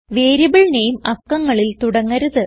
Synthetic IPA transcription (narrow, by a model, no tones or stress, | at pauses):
ʋe̞ːɾibɐɭinejumɐkːɐŋːɐɭilt̪uɽɐŋːɐɾɐðɨ